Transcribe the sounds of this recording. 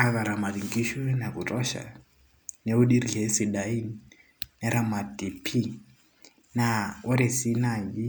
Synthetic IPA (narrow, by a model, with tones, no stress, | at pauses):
a˦βa˨ɾa˨ma˨ɾi˨ŋɡi˦ʃwna˨ku˨tʼɔ˦ʃa̰˨ | neu˦ɗi˦ɾie˦si˨ɗai˦n | nɛɾama˨ti˨pʰi˦ | naɔ˦ɾe˨si˦na˨ji˦